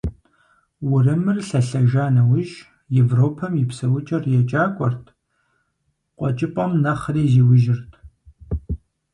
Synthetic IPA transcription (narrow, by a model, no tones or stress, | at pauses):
wʊrɨmɨrɬɐɬɐʒaːnɐwʊʒ | jevroːpʰɐmjɪpsɐwʊt͡ʃʼɐrjɛt͡ʃʼaːkʷʼɔrtʰ | qʷʼɔt͡ʃʼɪpʼɐmnɐχriːziːwʊʒɪrtʰ